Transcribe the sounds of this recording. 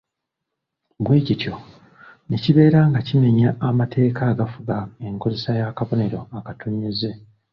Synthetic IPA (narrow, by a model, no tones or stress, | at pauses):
ɡwe̞ːcitjo̞ | neciβe̞ːɾaŋɡacime̞ɲaːmatʰe̞ːkaːɡafuɡae̞ŋko̞ze̞sajakaβo̞ne̞ɾo̞akatuɲeze̞